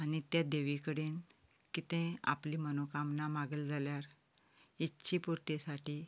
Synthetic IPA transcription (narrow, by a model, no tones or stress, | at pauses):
anit̪jad̪eʋikəɽeːn | kit̪ẽa̰pliːmənokamnamaɡəld͡zʱaljaɾ | itːɕipuɾt̪esaʈiː